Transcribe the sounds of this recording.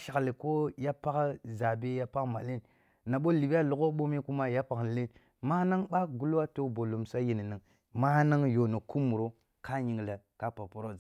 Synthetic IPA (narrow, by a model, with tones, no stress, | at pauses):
ʃa˨kli˨ko˦ja˦pa˦kza˨be˦ja˦pa˦kma˨le˦n | na˨ɓo˦li˨ba˦lu˨ko˦ɓo˦me˦ku˦ma˦ja˦pa˨kle˦n | ma˦na˦ŋɓa˦ɡu˦lwa˦to˦bo˨lo˨msa˦ji˨ni˨ni˨ŋ | ma˦na˦ŋjo˨nə˨ku˦mu˨ɾo˦ | ka˦ɲi˨ŋlə˨ka˦pa˨po˨ɾo˦˨